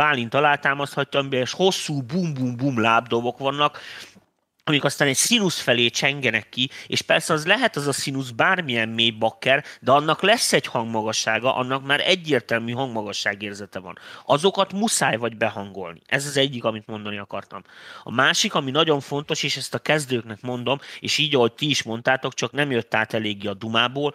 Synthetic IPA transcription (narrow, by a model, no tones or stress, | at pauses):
aːlint̪ɒlaːt̪aːmɒst̪hɒcːɒmbɛːʃho̞sːuːbumbumbuːmlaːbd̪o̞bo̞kʋɒnːɒk | ɒmikɒst̪aːnɛcsinusfɛleːt͡ʃɛŋɡɛnɛkːiḛːʃpɛrsɛɒzlɛɦɛt̪ɒzɒsinuzbaːrmijɛmːeːjbɒkːɛrd̪ɛɒnːɒklɛsːɛchɒŋɡmɒɡɒʃːaːɡɒʔɒ̰nːɒkmaːɾɛɟːeːrt̪ɛlmyːɦɒŋɡmɒɡɒʃːaːɡeːrzɛt̪ɛvɒ̰nɒzo̞kɒt̪musaːjvɒɟbɛɦɒŋɡo̞lnḭʔɛzɒzɛɟːikɒmit̪mo̞n̪d̪ɒniɒkɒ̰rt̪ɒ̰mɒ̰maːʃikɒminɒɟo̞ɱfo̞n̪t̪o̞ʃeːʃɛst̪ɒkɛzd̪øːknɛkmo̞nd̪o̞meːʃiːɟɒɦo̞c̚t̪iiʃmo̞nt̪aːt̪o̞kt͡ʃɒknɛmjøt̪ːaːt̪ɛleːɡiɒd̪umaːboːl